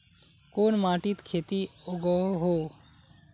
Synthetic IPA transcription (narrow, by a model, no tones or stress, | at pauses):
koːnmaːʈit̪kʰeːt̪ioːɡoɦoː